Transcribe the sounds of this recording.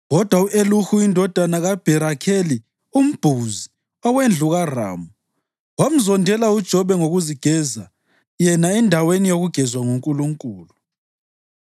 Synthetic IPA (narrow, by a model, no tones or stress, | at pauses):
ɣɔd̥ʱwauʔeluxuindʱɔd̥ʱanaɣab̥ʱɛɾakʰeli | um̩b̥ʱuzi | ɔwend͡ɮʱuɣara̰ːmu | wam̩zɔndʱɛlaud̥ʒ̥ʱɔβɛŋoɣuziɡ̥ʱɛza | jɛnaɛndʱawenijoɣuɡ̥ʱɛzwaŋuŋkʼuluŋkʼuːlu